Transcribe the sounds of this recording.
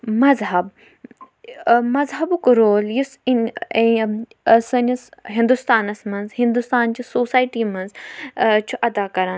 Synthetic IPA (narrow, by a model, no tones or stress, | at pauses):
mɐzɦɐb | mɐzɦɐbukɾoːljisin | sɐnʲisɦĩnd̪ust̪aːnɐsmɐnzhĩnd̪ust̪aːnt͡ʃisoːsaːjʈiːmɐnz | t͡ʃʰuʔɐd̪aːkɐɾã